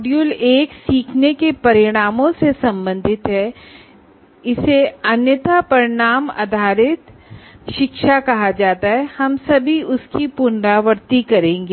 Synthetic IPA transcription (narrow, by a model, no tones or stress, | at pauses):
ɖijuleːksiːkʰnekepɐɾɪɽ̃aːmõsesɐ̃mbə̃nd̪ʱɪt̪ɦɛ | ɪseɐnjət̪apɐɾɪɽ̃aːmɐ̰d̪ʱaːɾɪt̪ʃɪkʃakɐɦad͡ʒaːt̪aɦɛhɐmsɐbʱiʊskipʊnɾaːʋəɾt̪ikɐɾẽːɡeː